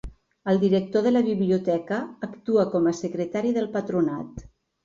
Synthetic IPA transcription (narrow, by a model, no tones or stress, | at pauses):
əlˠd̪iɾək̚t̪oðələβiβliut̪ɛkəːkt̪uəkɔməsəkɾət̪aɾiðəlˠpət̪ɾunat̪